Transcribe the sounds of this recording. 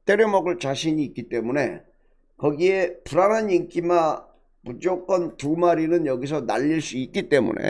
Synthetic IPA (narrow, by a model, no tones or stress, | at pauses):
t͈e̞ɾjomʌɡɯɭt͡ɕaɕʰiɲiːk͈it͈e̞mune̞̰ | kʌɡie̞puɾanɦaniŋk͈ima | mud͡ʑokʰʌntumaɾinɯnjʌɡis̬ʰʌna̰ʎːiɭs͈uik͈it͈e̞mṵne̞̰